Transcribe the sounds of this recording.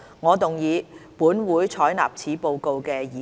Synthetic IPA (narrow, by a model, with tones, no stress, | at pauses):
ŋɔː˨˧t̪ʊ˨ŋjiː˨˧puː˨˥nwuː˨˥jt͡ʃʰɔː˨˥jna̰ː˨p̚t͡sʰiː˨˥po˧wko˧wkɛː˧jiː˨˦